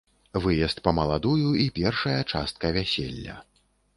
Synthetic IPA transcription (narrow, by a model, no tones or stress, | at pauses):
vɨjɛst̪̚pɐmɐlˠad̪ujuipʲɛrʂɐjɐt͡ʂast̪̚kɐvʲasʲḛlʲːɐ̰